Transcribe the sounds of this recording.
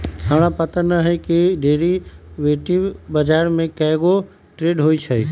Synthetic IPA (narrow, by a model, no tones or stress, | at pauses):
ɦaːɽ̃ãpɐt̪ənəɦekiɖeːɾiʋeːʈibɐd͡ʒaːɾmẽkɐɦɪɡo | ʈɾeːɖɦoːit͡ʃʰɐi